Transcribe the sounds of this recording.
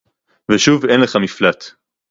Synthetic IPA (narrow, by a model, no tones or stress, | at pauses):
veʃuvenleχamiflat